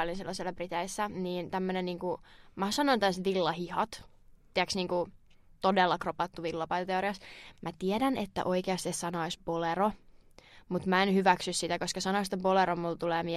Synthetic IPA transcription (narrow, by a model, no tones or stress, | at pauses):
olinsilːɑsielːæbrit̪eisːæniːnt̪æmːøneniːŋkumæsɑnoint̪æsʋilːɑhihɑt̪ | t̪iæksniːŋku | t̪odelːɑkropɑt̪ːuʋilːɑpɑit̪ɑt̪eoɾiɑsmæt̪iɛdænet̪ːæ̰ʔoikeɑst̪iessɑnoisbolero | mut̪mæenhyʋæksyssit̪ækoskɑsɑnoist̪eboleɾommult̪uleːmi